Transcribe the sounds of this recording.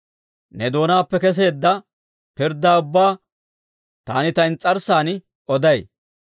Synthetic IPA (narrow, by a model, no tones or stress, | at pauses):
nɛd̪o̞ːnaːpːɛkɛs̬e̞ːd̪ːɐ | pɪɾd̪ːaːʊbːaː | t̪aːnɪt̪ɐɪnt͡sʼɐɾsaːn | ɔd̪ɐj